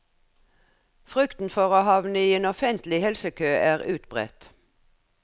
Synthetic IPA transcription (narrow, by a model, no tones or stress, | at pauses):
fʁʉkt̪n̩fɔʁoːhɑʋnəiːeːnɔfɛnt̪lɪhɛlsəkʰøːæːʁʉːt̪bʁɛ̰t̪